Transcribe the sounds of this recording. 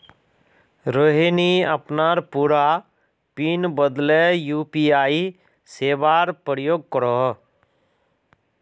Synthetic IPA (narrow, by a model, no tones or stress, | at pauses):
ɾoɦiniəpnaːɾpuːɾa | pinbəd̪lejuːpiaːi | seːʋaːɾpəɾjoːɡ̚kəɾɔ